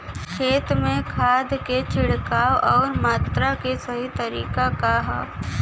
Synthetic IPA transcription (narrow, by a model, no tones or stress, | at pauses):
kʰeːt̪mẽkʰaːd̪ket͡ʃʰɪɽkaːwʔɔːɾmaːt̪ɾakesɐɦit̪ɐɾḭːkakaɦɐ̰p